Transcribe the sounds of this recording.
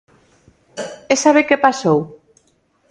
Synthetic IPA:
esaβekepasow

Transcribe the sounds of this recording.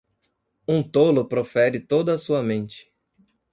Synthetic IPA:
ũt̪olʊpɾofɛɾɪt̪od̪ɐːsuɐmẽnt͡ʃɪ̥

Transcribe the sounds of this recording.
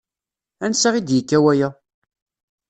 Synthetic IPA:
ænsaʁid̪jəkːæwæjæ

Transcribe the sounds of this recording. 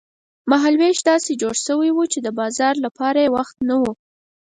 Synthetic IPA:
maɦalweʃd̪ɑsed͡ʒoɽʃəwajwut͡ʃed̪əbɑzɑɾlapɑɾajewaxt̪nawu

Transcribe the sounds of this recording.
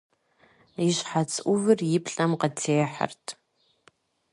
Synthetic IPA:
iɕħat͡sʰʼʔʷʊvɨrjɪpɬʼɐmqɐtʰeːħa̰rtʰ

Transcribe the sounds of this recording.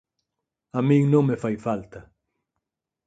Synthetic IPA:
amĩŋnõŋmefajfalt̪ɐ

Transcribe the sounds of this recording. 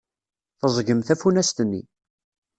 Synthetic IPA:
θəzˤɡəmθæfunæst̪nːḭ

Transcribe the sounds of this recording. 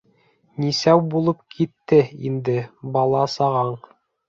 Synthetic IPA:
nisæwbulˠɤp̚kʰit̪ːɘind̪ɘbɑlˠɑsɑʁɑɴ

